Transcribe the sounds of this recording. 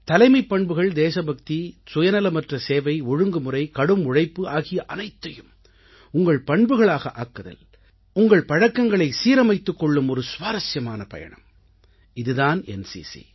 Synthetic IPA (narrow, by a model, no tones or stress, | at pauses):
t̪ɐlɐɪmɐɪpːɐɳbɯɣɐɭd̪eːsɐbɐk̚t̪isʊjɐnɐlɐmɐʈrɐseːʋɐɪɔɻɯŋɡɯmɯrɐɪkɐɽɯmʊɻɐɪpːɯaːɣɪjɐʔɐnɐɪt̪ːɐjɯm | ʊŋɡɐɭpɐɳbɯɣɐɭaːɣɐʔaːkːɐðɐ̰l | ʊŋɡɐɭpɐɻɐkːɐŋɡɐɭɐɪsiːɾɐmɐɪt̪ːɯkːɔɭːɯmɔɾɯsʊʋaːɾɐsjɐmaːnɐpɐ̰jɐ̰ɳɐ̰m | ɪðɯðaːnɛ̰nsḭsḭ